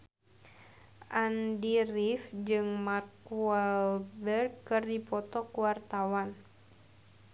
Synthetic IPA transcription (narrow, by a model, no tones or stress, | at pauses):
ʔandirifd͡ʒɨŋmarkualbɛrɡkɨrdipɔt̪ɔkuwart̪awan